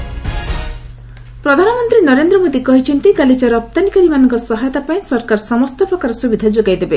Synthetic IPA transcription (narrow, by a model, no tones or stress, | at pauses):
pɾɔd̪ʱanɔmɔnt̪ɾinɔɾend̪ɾɔmod̪ikɔɦit͡ʃʰint̪ikalit͡ʃaɾɔp̚t̪anikaɾimanɔŋkɔsɔɦajɔt̪apaĩsɔɾkaɾsɔmɔst̪ɔpɾɔkaɾɔsubid̪ʱad͡ʒoɡajd̪ebe